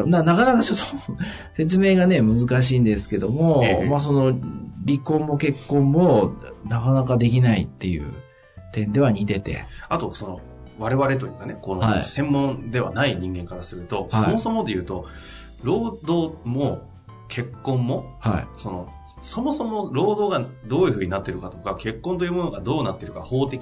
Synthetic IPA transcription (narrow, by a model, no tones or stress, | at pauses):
manakanakat͡ɕo̞t̪ːo̥ | se̞t͡sɨme̞ːɡane̞mɯ̟zɨkaɕ̬iːnd̪e̞sɨ̥ke̞d̪o̞mo̞mas̬o̞no̞ɾʲikõ̞mːo̞ke̞kːõ̞mːo̞nakanakad̪e̞k̬ʲinait̪ːe̞jɯ̟̰ː | t̪ẽ̞nd̪e̞β̞aɲ̟it̪e̞t̪e̞̰at̪o̞so̞no | βaɾe̞βaɾe̞t̪̬o̞jɯ̟kane̞ko̞noha̰ḭsẽ̞mːõ̞nd̪e̞βa̰naiɲ̟ĩŋɡẽ̞ŋkaɾasɨɾɯ̟t̪o̞shaoimo̞so̞mo̞d̪e̞jɯ̟ːt̪o | ɾo̞ːd̪o̞ːmo | kʰe̞kːõ̞mːo̞haḭso̞no̞ | so̞mo̞so̞mo̞ɾo̞ːd̪o̞ːɡad̪o̞ːjɯ̟ɸɯ̟ːɲ̟inat̪ːe̞ɾɯ̟kat̪o̞kake̞kːõnt̪̬o̞jɯ̟mo̞no̞ɡad̪o̞ːnat̪ːeɾɯ̟kaho̞ːt̪e̞kʲi